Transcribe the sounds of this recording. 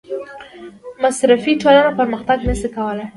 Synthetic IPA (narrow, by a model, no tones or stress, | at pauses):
masɾafiʈ͡ʂolanapəɾməxt̪aɡnasəkawəlaj